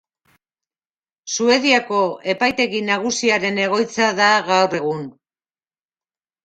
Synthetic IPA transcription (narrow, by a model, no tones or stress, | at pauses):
sue̞ðiako̞e̞pajt̪e̞ɣinaɣ̞usiaɾe̞ne̞ɣ̞o̞jt͡saðaɣawre̞ɣ̞un